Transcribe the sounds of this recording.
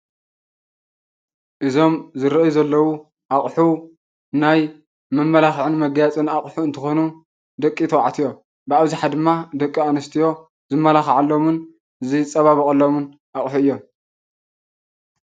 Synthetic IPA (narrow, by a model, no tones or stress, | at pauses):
ʔɨzo̞mzɨɾɐʔjuzɐlːɐwu | ʔaχʼħu | naj | mɨmːɐlaxʕɨnmɐɡjat͡sʼɨnaχʼħuɨnt̪ʰɨxo̞nu | d̪ɐkʼːit̪ʰɐwa̰ʕt̪ʰijo̞ | bɨaβziħad̪ɨmːad̪ɐkʼːianɐst̪ʰijo̞ | zɨmːɐlaxʕalːo̞mɨn | ɨzit͡sʼɐβaβɐkʼɐlːo̞mɨn | ʔaχʼħuɨjːo̞m